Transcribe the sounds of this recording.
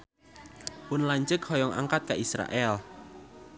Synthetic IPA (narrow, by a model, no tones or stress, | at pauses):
pʊnlaɲt͡ʃəkhɔjɔŋʔa̰ŋkat̪̚kaʔisɾa̰ʔɛl